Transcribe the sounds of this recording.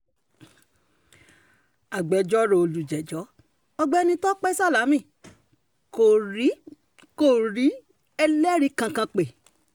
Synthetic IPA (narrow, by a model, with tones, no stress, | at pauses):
a˨ɡ͡bɛ˨˦d͡ʒɔ˦ɾo˧o˧lu˨d͡ʒɛ˨d͡ʒɔ˨˦ | ɔ˧ɡ͡bɛ˦˧nĩ˧tɔ˦k͡pɛ˦sa˦la˨˦mĩ˦˨ | ko˨ɾi˨˦ | ko˦˨ɾi˨˦ | ɛ˧lɛ˦ɾi˦kã˧kã˧k͡pe˨